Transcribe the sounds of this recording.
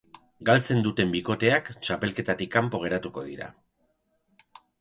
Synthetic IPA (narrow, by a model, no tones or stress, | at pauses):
ɡalt͡se̞nd̪ut̪e̞mbiko̞t̪e̞akt͡ʃape̞lke̞t̪at̪ikːampo̞ɣ̞e̞ɾat̪uko̞ð̞iɾa̰